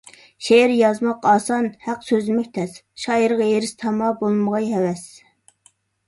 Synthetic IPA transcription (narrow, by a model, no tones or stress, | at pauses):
ʃeɾjɑzmɑqɑːsɑnhæqsøzlɪmɛk̚ʲt̪ʰɛs | ʃɑːjəɾʁɑjeɾɪst̪ʰɑmɑbolˠməʁɑjhɛwɛs